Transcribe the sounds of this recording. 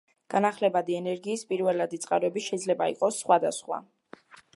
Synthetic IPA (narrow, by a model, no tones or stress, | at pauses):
ɡ̥anaχlɛbad̪iɛnɛɾɡiːspʼiɾvɛlad̪it̪sʼqʼaɾɔɛbiʃɛid̪zlɛbaḭqʼɔsːχwad̪asχwa̰